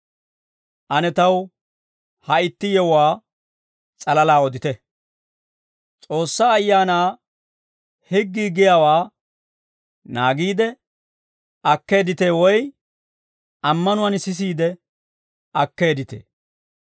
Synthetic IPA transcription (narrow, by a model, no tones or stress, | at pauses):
ʔɐnɛt̪ɐw | hɐɪt̪ːɪjɛwaː | t͡sʼɐlɐlaːɔd̪ɪt̪ɛ | t͡sʼo̞ːsːaːɐjːaːnaː | hɪɡːiːɡɪjaːwaː | naːɡiːd̪ɛ | ʔɐkːe̞ːd̪ɪt̪e̞ːwɔj | ʔɐmːɐnʊwɐnsɪs̬iːd̪ɛ | ʔɐkːe̞ːd̪ɪt̪ḛː